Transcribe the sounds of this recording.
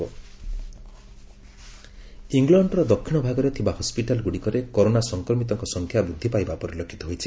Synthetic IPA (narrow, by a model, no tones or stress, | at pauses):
iŋɡlɔɳɖɾɔd̪ɔkʰːiɽ̃ɔbʱaɡɔɾet̪ʰibahɔspiʈalɡuɽikɔɾekɔɾonasɔŋkɾɔmit̪ɔŋkɔsɔŋkʰjabɾud̪ʱːipajbapɔɾilɔkʰːi̥t̪ɔɦojt͡ʃʰi